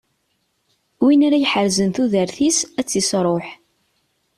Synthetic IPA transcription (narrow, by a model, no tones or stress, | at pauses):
winaɾajħəɾzənθuðəɾθisæt͡sːisɾˤoħ